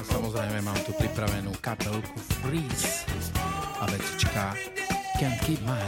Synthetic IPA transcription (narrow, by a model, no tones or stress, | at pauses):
samɔzɾɛɪmɛmaːmt̪upɾipɾaʋɛnuːkapɛlkufɾiːs | aʋɛt͡st͡ʃkakɛnkima